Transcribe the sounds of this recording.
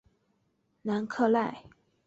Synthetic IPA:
na˧˥nkʰɤ˥˧la˥˩ɪ

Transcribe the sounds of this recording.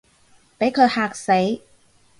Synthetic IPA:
pa˨˥jkʰɤː˧˩haː˨˩k̚se˨˦j

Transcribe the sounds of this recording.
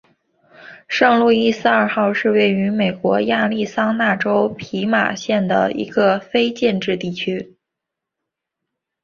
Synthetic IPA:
ʂɤ˥˧ŋlu˥˧i˥˧sɹ̩˥˧ɐ˞˥˧˩xɑ˥˧ʊʂɻ̩˥˧we˥˩ɪy˧˥me˨˩ɪkwɔ˧˥ja˥˧li˥˩sɑ˥ŋna˥˩ʈ͡ʂo˥ʊpʰi˧˥ma̰˨˩ɕjɛ˥˩nd̪ə̰˩ḭ˧˥ɡ̥ə˧fe˥ɪt͡ɕjɛ˥˧nʈ͡ʂɻ̩˥˧t̪i˥˩t͡ɕʰy˥

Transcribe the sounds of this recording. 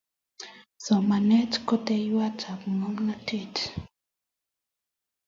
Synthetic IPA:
sɔ˨ma˨nɛ˦tko˦te˦jwa˦t͡ʃa˨pmo˦ŋna˦te˦˨t

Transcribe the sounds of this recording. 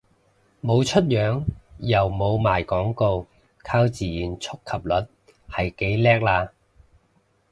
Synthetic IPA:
mo˨˧wt͡ʃʰɵ˥t̚jœː˨˥ŋjɐ˨˩wmo˨˧wmaː˨jkɔː˨˥ŋko˧w | kʰaː˥wt͡siː˨jyː˨˩nt͡ʃʰʊ˥kʰːɐ˨˩p̚lɵ˨˩t̚ | hɐ˨jke˨˥jlɛː˥k̚laː˧

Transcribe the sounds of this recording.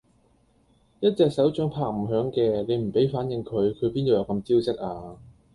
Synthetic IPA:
jɐ˥t̚t͡sɛː˧k̚sɐ˨˥wt͡ʃœ˨˥ŋpʰaː˥k̚m̩˨˩ɦœː˨˥ŋkɛː˧le˨˧jm̩˨˩pe˨˥jfaː˨˥njɪ˨˧ŋkʰɵ˨˧ɥkʰɵ˨˧ɥpiː˥no˨˧jɐ˨˧wkɐ˧mt͡siː˥wt͡sɪ˥k̚ʔaː˧

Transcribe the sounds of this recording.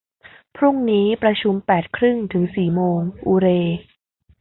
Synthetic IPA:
pʰɾu˥˩ŋniː˦˥pɾa˧t͡ɕʰu˧mpɛː˨˩t̪̚kʰɾɯ˥˩ŋt̪ʰɯ˩˦ŋsiː˨˩moː˧ŋʔuː˧ɾeː˧

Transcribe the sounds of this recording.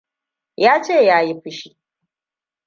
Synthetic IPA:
jaː˦t͡ʃeː˦˨jaː˦ji˦ɸɪ˦ʃi˦˨

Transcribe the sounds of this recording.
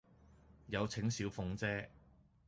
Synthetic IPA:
jɐ˨˧wt͡sʰɪ˨˥ŋsiː˨˥wfʊ˨˧ŋt͡sɛː˥

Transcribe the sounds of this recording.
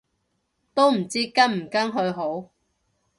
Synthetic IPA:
t̪o˥wm̩˨˩t͡siː˥kɐ˥nm̩˨˩kɐ˥ŋɦɵ˨˧ɥɦo˨˥w

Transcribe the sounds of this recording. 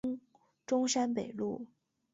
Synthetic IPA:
ʈ͡ʂʊ˥ŋʂa˥npe˨˩ɪlu˥˩

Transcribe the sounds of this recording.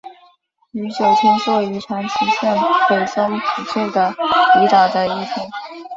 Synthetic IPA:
y˧˥t͡ɕjo˨˩ʊt̪ʰi˥nsɔ˥˩y˧˥ʈ͡ʂʰa˧˥ŋt͡ɕʰi˧˥ɕjɛ˥˩npe˨˩ɪsʊ˥ŋpʰu˨˩t͡ɕʰi˥˩nd̪ə˩i˧˥t̪ɑ˨˩d̪ə˧i˥˩t̪ʰi˧˥ŋ

